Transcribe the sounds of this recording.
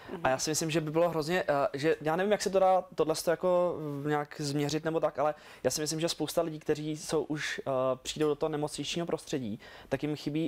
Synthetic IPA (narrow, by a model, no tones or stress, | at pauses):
ʔajaːsɪmɪslɪmʒɛbɪbɪlo̞ɦɾo̞zɲɛʔʒɛjaːnɛvimjaksɛt̪̬odaːt̪odlɛst̪ojako̞ɲaːkzmɲɛrɪt̪nɛbot̪akʔalɛ | jaːsɪmɪs̬lɪmʒɛspowst̪alɪɟiːk̚t̪ɛriːso̞wʔuʃpr̥iːdowdot̪oɦonɛmot͡sɲɪt͡ʃɲiːɦo̞pɾo̞st̪r̥ɛɟiːt̪akjɪmxɪbiː